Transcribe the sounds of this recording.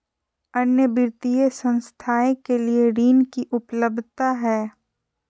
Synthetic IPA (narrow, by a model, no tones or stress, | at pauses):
ənjəbɪɾt̪ijesə̃nst̪ʰaːẽkelieɾiːnkiʔʊpləb̚d̪ʱt̪aɦɛː